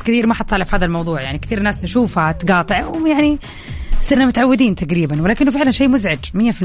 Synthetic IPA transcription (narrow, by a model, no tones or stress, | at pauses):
kθiːɾmaħɑt̪ˤːɑːlɪfhaːd̪almɑwðˤuːʕjaʕnikt̪iːɾnaːst̪ɪʃuːfhat̪ɡɑːt̪ˤɨʕwjaʕni | sˤɨɾnamʊt̪aʕawːɪd̪iːnt̪aɡɾiːbanwɪlaːkɪnːʊfɪʕlanʃeːmʊzʕad͡ʒmɪjːafi